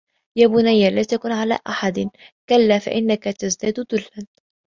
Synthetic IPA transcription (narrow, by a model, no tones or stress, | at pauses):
jaːbʊnajːalaːt̪akunʕala̰ːʔaħad̪kalːaːfa̰ʔɪnːakat̪azd̪aːd̪d̪ʊlːan